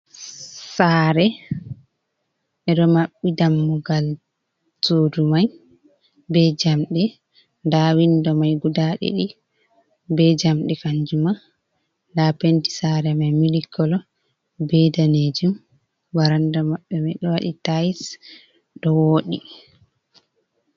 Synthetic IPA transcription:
saɾɛ | ʔɛɗɔmaɓːidamːuɡal | sodumaj | bɛd͡ʒamɗɛ | ndawindɔmajɡudaɗɛ̰ɗi | bɛd͡ʒamɗɛkaɲd͡ʒuma | lapenti̥saːɾɛmajmilikːɔlɔ | bɛdaned͡ʒum | waɾandɔmaɓːɛmajɗɔwaɗitajis | ɗɔwoːɗi

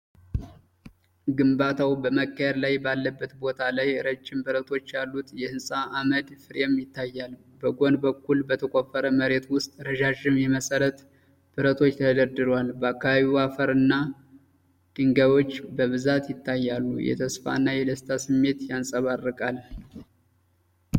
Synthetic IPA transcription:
ɡɨmbat̪ʰawbəməkʰʼːəjɛɾlajbalːəbːət̪bo̞t̪ʰalajɨɾəd͡ʒːɪmbɨɾət̪ʰo̞t͡ʃːjalːut̪jɛhɨnsʼaʔːməd̪fɨɾemjɪt̪ːajːal | bəɡo̞nbəkːulbət̪ʰəkʼo̞fəɾəməɾe̞t̪wʊst̪ʼɾəʒaʒɪmjɛməsʼəɾət̪ | b̥ɨɾət̪ʰo̞t͡ʃːt̪ʰəd̪əɾd̪ɨɾwalbəakːaβaβiwafəɾɨnːa | d̪̥ɨŋɡəβo̞t͡ʃːbəβɨzat̪jɪt̪ːajːalːṵjɛ̰t̪ʰəsfa̰ɨnːajɛd̪əst̪ʰasɨmːe̞t̪jansʼəβarːɨkʼal

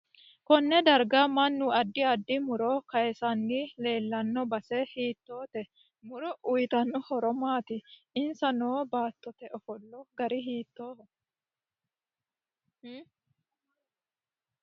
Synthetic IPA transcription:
kɔnːɛd̪ɐɾɡamɐnːʊɐd̪ːɪɐd̪ːɪmʊɾɔːkɐjɛsɐnːile̞ːlːɐnːɔbɐsɛhiːt̪ːoːt̪ɛ | mʊɾɔʔʊjt̪ɐnːʊhɔɾɔmaːt̪ɪɪnsɐnoːbaːt̪ːɔt̪ɛʔɔfɔlːɔɡɐɾɪɦiːt̪ːoː

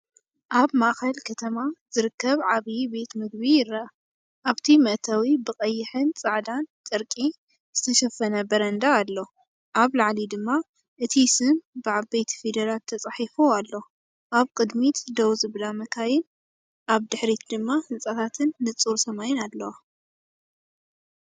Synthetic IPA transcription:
ʔaβmaʔxɐlkʰɐt̪ʰɐmaz̥ɨɾɨkːɐβʕaβibe̞t̪mɨɡ̚bijɪɾːɐʔ | ʔaβt̪ʰimɐʔt̪ʰɐwibɨkʼɐjːɪħɨnt͡sʼaʕd̪ant͡sʼɨɾkʼi | z̥ɨt̪ʰɐʃɐfːɐnɐbɐɾɐnd̪aːlːo̞ | ʔaβlaʕlid̪ɨmːa | ʔɨt̪ʰisɨmbɨʕaβejt̪ʰi̥fed̪ɐɾalt̪ʰɐt͡sʼaħifualːo̞ | ʔaβkʼɨd̪mit̪d̪ɐwzɨβlamɐkʰajɪn | ʔaβd̪ɨħɾit̪d̪ɨmːahɨnt͡sʼat̪ʰat̪ʰɨnːɨt͡sʼuɾsɐmajɪnad̪lɐw

